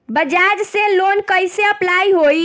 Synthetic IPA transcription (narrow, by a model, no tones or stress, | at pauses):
bəd͡ʒad͡ʒselonkəjseəplaiɦoi